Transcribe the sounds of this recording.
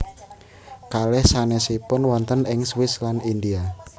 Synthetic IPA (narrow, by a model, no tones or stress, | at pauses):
kalɛhsanesipʊnwɔnt̪ənɪŋswɪslanind̪ia